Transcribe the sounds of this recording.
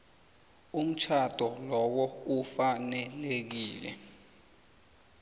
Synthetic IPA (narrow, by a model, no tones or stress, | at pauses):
um̩t͡ʃʰad̥ʱɔlɔk̬ɔufanɛlek̬iːlɛ̰